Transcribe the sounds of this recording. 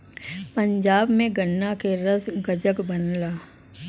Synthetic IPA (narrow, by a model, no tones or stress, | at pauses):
pɐ̃ɲd͡ʒaːbmẽɡənːakeɾəsɡəd͡ʒəkbɐnlaː